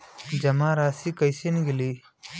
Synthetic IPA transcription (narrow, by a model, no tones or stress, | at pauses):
d͡ʒɐmãːɾaːsikəjsenɡiliː